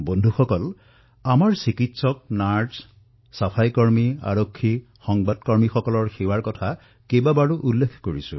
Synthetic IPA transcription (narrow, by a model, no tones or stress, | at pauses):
bondʱuxɔkɔl | amaɹsikitsɔk̚naɹdz | sapʰajkɔɹmia̰ɹokʰːi | xɔŋbadkɔɹmixɔkɔlɔɹxewaɹkɔtʰa | kebabaɹuʔulːekʰkoɹisʊ̰̃